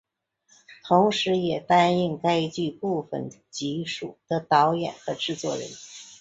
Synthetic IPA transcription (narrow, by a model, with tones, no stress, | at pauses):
t̪ʰʊ˧˥ŋʂɻ̩˧˥jɛ˨˩t̪a˥ni˥˧ŋka˥ɪt͡ɕy˥˧pu˥˩fə̰˨˩n | t͡ɕi˧˥ʂu˨˩d̪̥ə˧t̪ɑ˧˥ʊjɛ̰˨˩nxɤ˧˥ʈ͡ʂɻ̩˥˧t͡swɔ˥˩ɻə̰˧˥n